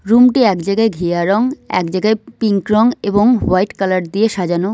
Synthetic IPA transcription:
ɾumʈiɛkd͡ʑaɡaeɡʱiaɾɔŋɛ̰kd͡ʑaɡaejpiŋkɾɔŋeboŋwajʈkalaɾd̪ieʃad͡ʑano

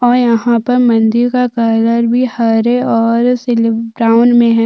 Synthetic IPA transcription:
ɔːɾjɐɦãpɐɾmɐ̃nd̪ɪɾkakaːləɾbʱihaːɾeɔːɾsɪlbɾaːʊnmẽɦɛ̃ː

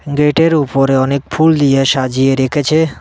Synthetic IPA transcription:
ɡeʈeɾupɔɾeɔnek̚pʰuld̪ijeʃad͡ʒieɾekʰet͡ʃʰe

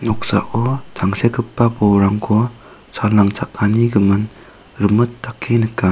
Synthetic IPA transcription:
nɔk̚sa̰ʔɔtʰaŋsekɯpːabɔwɾaŋkʰɔ | salaŋt͡ʃʰak̚ːaniɡɯmɯn | ɾɯmɯtːakʰːinɯkːa

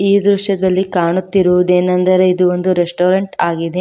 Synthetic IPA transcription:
iːd̪ɾuʃɐd̪ɐlːikaːɳut̪ːiɾuʋud̪eːnɐnd̪ɐɾe̞id̪uond̪uɾesʈoːɾɐɳʈaːɡid̪e̞

